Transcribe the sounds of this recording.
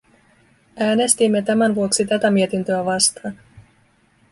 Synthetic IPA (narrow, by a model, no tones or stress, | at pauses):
ʔæːne̞st̪imːe̞t̪æmænʋuo̞ksit̪æt̪æmie̞t̪int̪ø̞æʋɑst̪ɑːn